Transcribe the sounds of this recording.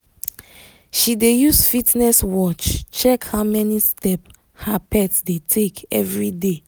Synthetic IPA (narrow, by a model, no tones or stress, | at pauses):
ʃidejusfitnɛswɔt͡ʃt͡ʃɛkhamɛnistɛp | hapʰɛtsdetʰekɛ̰vɹide